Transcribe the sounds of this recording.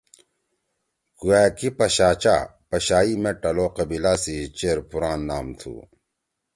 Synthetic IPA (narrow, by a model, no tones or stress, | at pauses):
kuæːkipɐɕaːt͡ɕa̰pɐɕaːimeʈɐloːqɐbilaːsit͡ɕeːɾpuɾaːnːaːmt̪ʰṵ